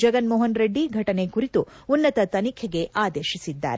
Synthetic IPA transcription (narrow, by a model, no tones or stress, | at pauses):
d͡ʒɐɡɐnmɔːɦɐnɾeɖːiɡʱɐʈɐne̞kuɾit̪uunːɐt̪ɐt̪ɐnikʰɛɡe̞ʔaːd̪eːʃisid̪ːa̰ːɾe